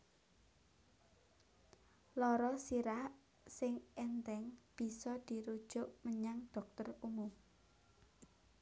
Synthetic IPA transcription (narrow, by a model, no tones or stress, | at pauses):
lɔɾɔsiɾah | sɪŋɛnt̪ɛŋb̥i̤sɔd̪̥i̤ɾud̥ʒ̥ʊʔməɲaŋd̪̥ɔ̤k̚t̪ərumʊm